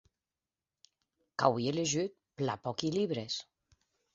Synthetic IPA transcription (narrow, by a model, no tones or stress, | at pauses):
kawjeleʒyt̪̚plapɔkiliβɾes